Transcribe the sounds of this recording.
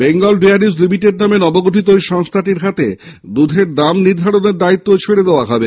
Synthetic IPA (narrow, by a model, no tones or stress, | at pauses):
beŋɡolɖeaɾislimiʈeɖ̚namenɔboɡoʈit̪̬oeʃɔŋst̪ʰaʈiɾɦat̪ḛd̪ud̪ʱeɾd̪amniɾd̪ʱaɽoneɾd̪ait̪ːot͡ɕʰeɽed̪eoaɦɔbe